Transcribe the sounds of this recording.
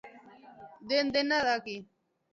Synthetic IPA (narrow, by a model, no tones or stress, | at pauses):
d̪end̪enaðaki